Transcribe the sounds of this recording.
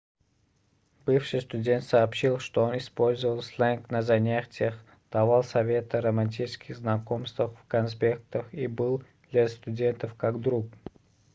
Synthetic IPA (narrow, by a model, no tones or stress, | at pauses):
b̥ɨfʂɨjst̪udʲe̞nt̪sɐːpɕilˠʂt̪oonispolʲzəvəlˠslˠɛnknəzɐnʲatʲɪjəx | d̪̥ɐvalˠsɐvʲe̞t̪əɾəmɐnʲtʲit͡ʃɪ̥skʲɪxznɐkomst̪vəxfkɐnspʲek̚t̪əxibɨlˠd̪lʲɐst̪udʲe̞nt̪əfkakd̪ɾuk